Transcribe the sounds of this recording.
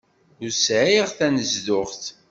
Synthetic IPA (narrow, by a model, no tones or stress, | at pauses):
ʊɾsʕiʁθænəzðʊχθ